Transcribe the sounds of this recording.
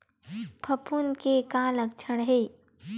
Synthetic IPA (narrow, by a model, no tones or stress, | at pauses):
pʰɐpunkekãːlək̚t͡ʃʰəɽɦeː